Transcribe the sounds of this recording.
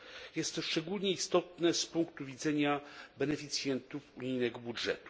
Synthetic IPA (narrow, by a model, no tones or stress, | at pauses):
jɛst̪ʂt͡ʂɛɡulʲɲɛist̪ɔt̪nɛspuŋkt̪uvʲid̪zɛɲabɛnɛfʲit̪sʲjɛnt̪ufuɲijnɛɡɔbudʐɛ̰t̪u̥